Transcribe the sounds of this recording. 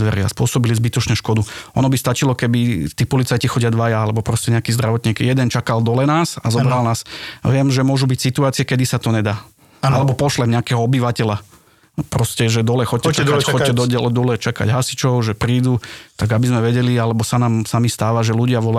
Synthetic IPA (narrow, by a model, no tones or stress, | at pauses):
ʋɛɾɪa̰spʊɔsɔbilizbit̪ɔt͡ʃɲɛʃkɔd̪uɔnɔbist̪at͡ʃilɔkɛbit̪iːpɔlit͡sajcixɔɟɪad̪ʋajaalɛbɔpɾɔscɛɲɛakiːzd̪ɾaʋɔt̪ɲiːkijɛd̪ɛnt͡ʃakald̪ɔlɛnaːsazɔbɾalnaːsʋɪɛmʒɛmʊɔʒubicsit̪uaːt͡sɪɛkɛd̪isat̪ɔɲɛd̪aː | alɛbɔpɔʃlɛmɲɛakɛɦɔɔbiʋacɛla | pɾɔscɛʒɛd̪ɔlɛxɔcɛaɔɛd̪ɔd̪ɔlɛt͡ʃaka̰ɟɦasi̥t͡ʃɔʊʒɛpɾiːd̪ut̪aɡabizmɛʋɛɟɛlialɛbɔsanaːmsamist̪aːʋaʒɛluɟɪaʋɔla